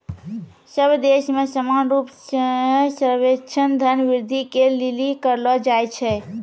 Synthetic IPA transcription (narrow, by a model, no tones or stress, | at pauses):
səbʱd̪esmesəmanɾup | səɾʋet͡ʃʰənd̪ʱənʋiɾd̪ʱikelilikəɾlɔd͡ʒajt͡ʃʰɛ